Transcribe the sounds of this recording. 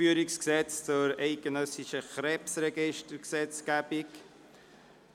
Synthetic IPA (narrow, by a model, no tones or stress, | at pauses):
yːɾiksksɛt͡st͡sʊɾɛɪɡ̥ənœsɪʃəχɾɛpsrɛɡɪʃtəksɛt͡sɡ̥æb̥ik